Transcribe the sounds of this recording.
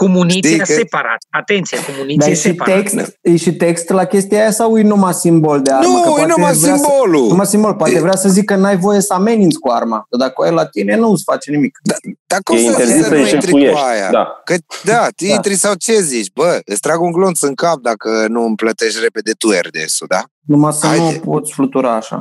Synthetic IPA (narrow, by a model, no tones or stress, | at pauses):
komunit̪iaepaɾa̰t̪at̪ent̪siakomunid̪ajeʃiekst̪jeʃit̪ekst̪lakʲe̞st̪ijaajasawujnumasimbo̞ld̪eaɾnuməujanumasvɾiamboluumasimbo̞lpoat̪evɾeasəzikːənajvo̞je̞səamenint̪sʲkuarmad̪əd̪akəoajlat̪ine̞nusfat͡ʃenimikd̪ad̪̥akoeieziit̪ɾiujeʃaja̰d̪akəd̪at̪iint̪ɾisawt͡ʃe̞zit͡ʃʲbəəst̪ɾaɡuŋɡlonsɨŋkap̚d̪akənuɨmplət̪e̞ʃt̪re̞pe̞d̪e̞t̪uḛrd̪ḛsod̪a̰ | numasəaj̪upot̪sʲflut̪uɾaːʃa̰